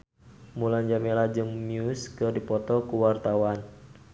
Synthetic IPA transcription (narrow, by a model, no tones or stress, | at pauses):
muland͡ʒamelad͡ʒɨŋmiuskɨrdipɔt̪ɔkuwart̪awan